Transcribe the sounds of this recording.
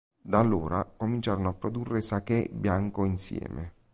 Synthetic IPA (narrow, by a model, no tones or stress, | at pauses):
d̪alːoːɾakomint͡ʃaːɾonoapːɾod̪urːesakɛbːjaŋkoinsjɛ̰ːme